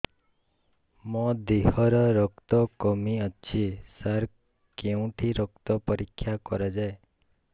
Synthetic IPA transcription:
mɔd̪iɦɔɾɔɾɔkt̪ɔkɔmiɔt͡ʃʰisaɾ | keũʈʰiɾɔkt̪ɔpɔɾikʰːjakɔɾad͡ʒae

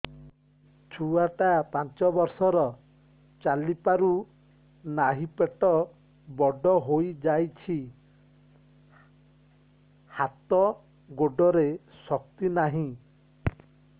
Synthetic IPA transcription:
t͡ʃʰuaʈapant͡ʃɔbɔɾsɔɾɔ | t͡ʃalipaɾu | naɦipeʈɔ | bɔɖɔɦojd͡ʒajt͡ʃʰi | hat̪ɔ | ɡoɖɔɾe | sɔk̚t̪inaɦĩ

